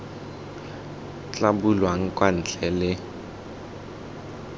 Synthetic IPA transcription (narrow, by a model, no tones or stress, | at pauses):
t͡ɬʼabulwaŋ̩kʼwan̩t͡ɬʼɛlɪ